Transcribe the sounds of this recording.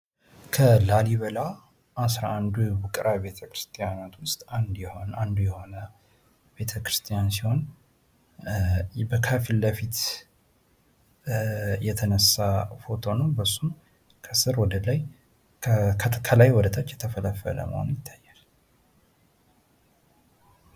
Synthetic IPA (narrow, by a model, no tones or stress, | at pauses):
kʰəlaliβəla | ʔasɾa̰and̪ubukʼɾʔaβe̞t̪ʰəkɾɨ̥st̪ʼijanat̪ʰwʊst̪ʼand̪jɛhonand̪ujɛho̞nə | be̞t̪ʰəkɾɨst̪ʰʼijansiho̞n | bəkʰəfilːəfit̪ | jɛt̪ʰənəsːafo̞t̪ʰo̞nəwbəsːum | kʰəsɨɾwɔd̪əlaj | kʰkʰkʰəlajwɔd̪ət̪ʰat͡ʃːjɛt̪ʰəfələfːə̰lə̰mə̰ho̰njɪt̪ʰːḁjːal